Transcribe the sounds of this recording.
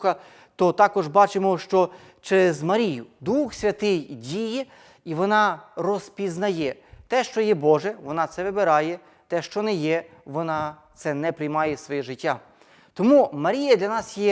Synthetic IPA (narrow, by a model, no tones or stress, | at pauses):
xɐ | t̪ɔt̪ɑkɔʒbɑt͡ʃɪmɔʃt͡ʃɔ | t͡ʃɛɾɛzmɐɾʲijʊd̪uxsʲʋʲɐt̪ɪjdʲijɛ | iʋɔnɑrɔspʲiznɐjɛ | t̪ɛʃt͡ʃɔjɛbɔʒɛʋɔnɑt̪sɛʋɪbeɾɑjɛ | t̪ɛʃt͡ʃɔnɛjɛʋɔnɑt̪sɛnɛpɾɪjmɑjɛsʋɔjɛʒɪtʲːa | t̪ɔmumɐɾʲijɐd̪lʲɐnɑsjɛ